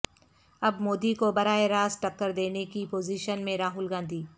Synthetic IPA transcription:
ɐbmoːd̪ikobɐɾaːeɾaːzʈɐkːəɾd̪eːnekipoːziːʃənmẽɾaːɦʊlɡãːnd̪ʱiː

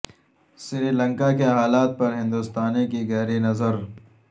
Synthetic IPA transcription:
sɾiːlɐ̃ŋkakeɦaːlaːt̪̚pɐɾɦɪ̃nd̪ʊst̪aːnekiɣɛːɾinɐzəɾ

